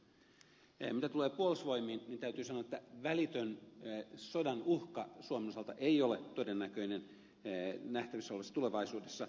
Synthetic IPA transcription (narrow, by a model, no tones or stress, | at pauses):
mit̪æt̪ule̞ːpuolusʋo̞imˑiːnnint̪æyt̪yːsɑnoɑet̪ːæʋælit̪øn | sodɑnuhkɑsuomenosɑlt̪ɑʔeijolet̪odenːækøinen | næht̪æʋisolʋesːɑt̪uleʋɑisuːdesːɑ